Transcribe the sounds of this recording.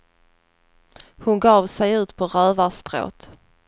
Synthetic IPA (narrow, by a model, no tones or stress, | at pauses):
hʊnɡɑːvsɛjʉ̟ːt̪pʰɔɾœːvast̪ɾo̰ːt̪